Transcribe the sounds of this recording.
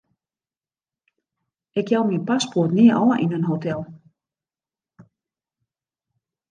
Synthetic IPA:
ɛkjawminpaspɔrt̪nɪʔa̰waʔinːʏnɦowt̪ʰɛl

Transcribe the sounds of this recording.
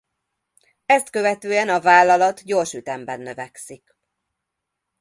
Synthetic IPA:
ɛst̪kø̞vɛt̪øːɛnɒvaːlːɒlɒt̪ɟoːrʃyt̪ɛmbɛnːø̞vɛksik

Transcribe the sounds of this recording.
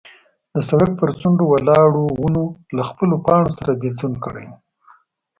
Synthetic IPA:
d̪əsaɽak̚pəɾt͡suɳɖowalɑɽowunolaxpəlopɑɳosaɾabild̪unkəɽa̰j

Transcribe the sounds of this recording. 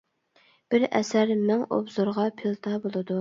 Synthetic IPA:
b̥ɪɾɛ̰sæɾmæŋo̰bzoɾʁɑpʰelˠt̪ʰɑbolˠɨd̪u

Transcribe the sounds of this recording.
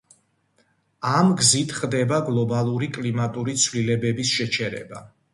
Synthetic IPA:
amɡzit̪ʰχd̪ɛbaɡlˠɔbalˠuɾikʼlimat̪ʼuɾit̪sʰvlilɛbɛbisʃɛt͡ʃʰɛɾɛ̰ba

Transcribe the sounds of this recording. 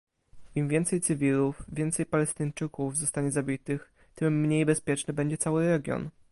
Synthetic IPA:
imvʲjɛnt̪sɛjt̪sɘvʲilufvʲjɛnt̪sɛjpalɛst̪ɘɲt͡ʂɘkuvzɔst̪aɲɛzabʲit̪ɘx | t̪ɘmːɲejbɛspʲjɛt͡ʂnɘbɛɲd͡ʑɛt̪sawɘɾɛɡʲjɔ̰n

